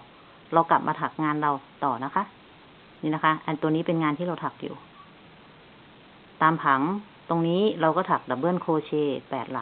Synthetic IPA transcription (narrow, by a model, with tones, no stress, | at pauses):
ɾa˧wkla˨˩p̚mʔaː˧t̪ʰa˨˩k̚ŋaː˧nɾa˧wt̪ɔː˨˩na˦˥kʰa˦˥ʔ | ɲiː˧na˦˥kʰa˦˥ʔʔa˧nt̪u˧əniː˦˥pe˧nŋaː˧nt̪ʰiː˥˨ɾa˧wt̪ʰa˨˩k̚jṵː˨˩ | t̪aː˧mpʰa˩˦ŋ | t̪o˧ŋniː˦˥ɾa˧wkɔː˥˩t̪ʰa˨˩k̚da˨˩bɤː˧˥˨nkʰoː˧t͡ɕʰeː˧pɛː˨˩t̪̚la̰˨˩